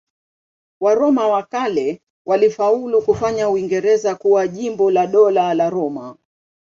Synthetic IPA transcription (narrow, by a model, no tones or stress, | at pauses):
waɾɔmawakalɛ | wʔalifaulukufaɲauiŋɡɛɾɛzakuwaʄimbɔlaɗɔlalaɾɔma